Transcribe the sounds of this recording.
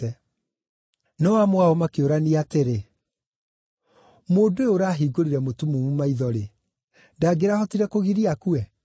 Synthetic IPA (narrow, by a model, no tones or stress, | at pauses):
ɛ | nɔwamwaɔmakeoɾaniateɾe | moːdoeoɾaːɦiːɡoɾiɾɛmotumumumaiðɔɾe | ndaːɡeɾahɔtiɾɛkoɣiɾiakuɛ